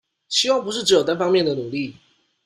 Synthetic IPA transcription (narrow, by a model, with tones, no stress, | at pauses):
ɕi˥wɑ˥˨ŋp̬u˧˥ʂ̬ɻ̩˥˩ʈ͡ʂɻ̩˧˥jt̪a˥nfɑ˥ŋmjɛ˥˨nd̪ə˨˩nu˨˩li˥˨